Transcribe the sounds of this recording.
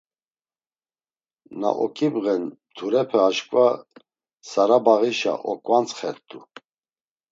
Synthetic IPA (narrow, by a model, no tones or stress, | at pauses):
na̰ʔɔkʰʼibɣɛnd̪ʰuɾɛpʰɛaʃkʼva | saɾabaɣiʃa̰ʔɔkʼvant͡sχɛɾt̪ʼu